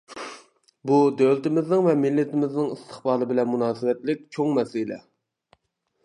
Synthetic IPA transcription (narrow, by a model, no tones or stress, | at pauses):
bud̪øwlɪt̪ɪmɪznɪŋvɛmɪlːɪt̪ʰɪmɪznɪŋist̪ʰə̥χbɑːlˠɨbɪlɛnmunɑːsɪwɛt̪lɪk̚ʲt͡ʃʰoŋmɛsɪlɛ̰